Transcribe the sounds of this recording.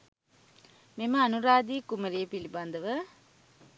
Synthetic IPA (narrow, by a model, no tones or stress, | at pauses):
memɐɐnuɾaːd̪iːkumɐɾijɐpiliband̪ɐʋə